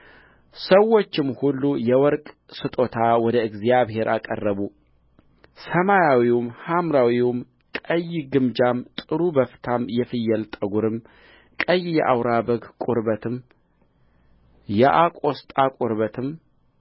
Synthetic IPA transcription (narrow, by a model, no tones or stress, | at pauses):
səwːo̞t͡ʃːɪmhulːujɛwɔɾkʼ | sɨt̪ʼo̞t̪ʰawɔd̪əɨɡzijaβhe̞ɾʔakʼə̰rːəβu | səmajawiwmhamɾawiwʊm | kʼəjɡɨmd͡ʒamt̪ʼɨɾubəft̪ʰamjɛfɨjːɛlt̪ʼəɡuɾɨm | kʼəjːjɛʔawɾabəɡkʼʊɾbət̪ʰɨm | jɛʔakʷʼo̞st̪ʼakʼuɾbət̪ʰɨm